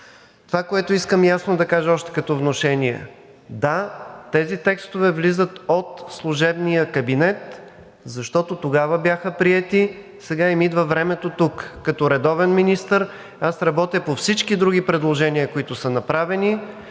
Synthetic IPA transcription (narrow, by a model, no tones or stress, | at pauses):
t̪ovakoɛt̪oiskəmjasnod̪ɐkaʒəɔʃt̪ɛ̥kɐt̪ɔvnoʃɛniɛ̰ | d̪at̪ɛzit̪ɛkst̪ovɛvlizət̪ot̪slˠuʒɛbnijəkɐbinɛt̪ | zɐʃt̪ɔt̪ot̪oɡavəbjaxəpɾiɛt̪i | sɛɡaimid̪vəvɾɛmɛt̪ot̪ukːɐt̪ɔɾɛd̪ɔvɛnminist̪əɾ | asɾɐbɔt̪ʲəpofsit͡ʃkid̪ɾuɡipɾɛd̪lˠoʒɛniəkoit̪ʊsənɐpɾavɛni